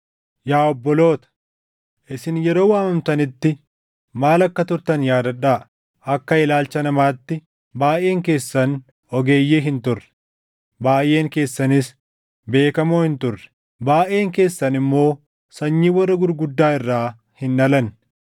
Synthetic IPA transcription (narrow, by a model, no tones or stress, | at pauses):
jaːɔbːɔlo̞ːt̪ɐ̥ | ʔɪsɪnjɛɾo̞ːwaːmɐmt̪ɐnɪt̪ːɪ | maːlɐkːɐt̪ʊɾt̪ɐnjaːd̪ɐᶑa | ɐkːɐɪlaːlt͡ʃɐnɐmaːt̪ːɪ | baːʔe̞ːŋke̞ːsːɐn | ɔɡe̞ːjːeːɦɪnt̪ʊrːɛ̥ | baːjʔe̞ːŋke̞ːsːɐnɪs | be̞ːkɐmoːhɪnt̪ʊrːɛ̥ | baːʔe̞ːŋke̞ːsːɐnɪmːo̞ː | sɐɲːiːwɐrːɐɡʊɾɡʊd̪ːaːɪrːaː | hɪnːɐlɐn